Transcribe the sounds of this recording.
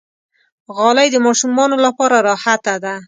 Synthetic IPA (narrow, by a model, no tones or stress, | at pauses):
ɣɑlajd̪əmɑʃumɑnolapɑɾaɾɑhat̪ad̪a